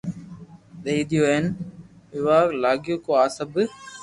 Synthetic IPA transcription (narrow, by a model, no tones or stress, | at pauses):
ɗ̪eid̪ijoːen | ɪʋaːlaːɡɪjoːkoːaːsəb